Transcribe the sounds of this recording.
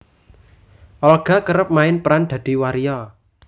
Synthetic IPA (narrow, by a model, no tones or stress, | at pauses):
ʔɔlɡ̥a̤kəɾəp̚maɪnpɾand̪̥ä̤d̪̥i̤waɾijɔ